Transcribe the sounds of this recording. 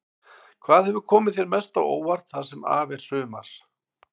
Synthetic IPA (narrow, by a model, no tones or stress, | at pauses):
kʰvaːðhɛvʏɾkʰɔːmɪðθjɛɾmɛst̪awo̰ːwvaɾ̥t̪θaðsɛma̰ːvɛɾ̥sʏːma̰ɾ̥